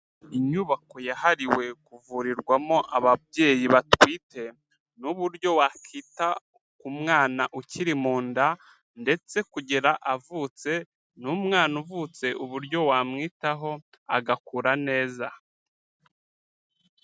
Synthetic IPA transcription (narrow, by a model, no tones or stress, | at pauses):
iɲuβako̞jahaɾiwe̞kuvuɾiɾɡwamo̞ʔaβabɟe̞ːjiβatwiːte̞ | nuβuɾɟo̞wakʰita | kumŋaːnaʔuciɾimuːnda | nde̞t͡se̞kuɟeɾaʔavut͡se̞ | numŋaːnuvut͡se̞ʔuβuɾɟo̞wamŋiːtaɦo̞ | a̰ɡakuɾane̞ːza